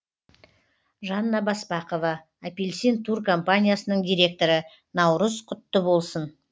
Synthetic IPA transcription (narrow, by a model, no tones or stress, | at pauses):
ʒɑnːɑbɑsbɑqovɑ | apʲelʲsint̪ʰurko̞mpanʲijasənəɴd̪ʲijɾʲe̞k̚t̪o̞ɾə | nɑwɾəzqʰʊt̪ːəbo̞lˠsən